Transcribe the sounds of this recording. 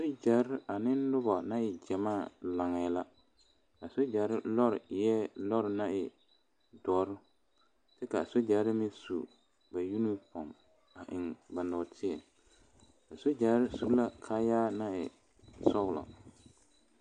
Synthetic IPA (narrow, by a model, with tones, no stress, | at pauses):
so˦d͡ʒa˨ɾɪ˦a˨nɪ˦lʊ˦bɔ˨na˦ɪ˨d͡ʒɛ˨maː˦˨la˨ŋɛ˨˦la˦ | a˨so˦d͡ʒa˨˦ɾɪ˦lɔ˦ɾɪ˨jɛ˦lɔ˦ɾɪ˨na˦ɪ˨ | dɔː˨˦ɾʊ˦ | tɪ˦ka˨so˦d͡ʒa˨˦ɾɪ˦mɪ˦sṵ˨ | ba˨ju˦nu˦pɔ˨m | a˨ʔɪ˨ŋba˨nɔ˨tʰɪ˦ɛ˨ | a˨so˦d͡ʒa˨˦ɾɪ˦su˦la˦kʰaː˦jaː˦na˦ɪ̰˨ | sɔ˦ɣlɔ̰˨